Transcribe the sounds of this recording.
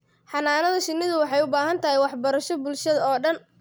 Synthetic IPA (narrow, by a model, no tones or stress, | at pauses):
ħɑnaːnɐðɐʃɪnːɪðʊwɑħɑjʊbaːɦɐnt̪ʰɐɦɪjwɑħbɐɾɐʃɔbʊlʃɐðɐɔːɖɐn